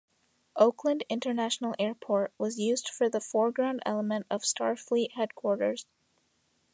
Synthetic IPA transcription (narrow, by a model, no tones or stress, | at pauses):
ʔoʊkʰlə̃ndɪ̃ntə˞næʃn̩l̩ˠɛɹpʰɔɹʔ̚wʌzjʉzd̥fə˞ðəfɔɹɡɹãʊ̃ndɛ̰lˠəmɨ̃ntʌv̥stʰɑɹfliʔhɛd̚kʰw̥ɔɹɾə̰˞z̥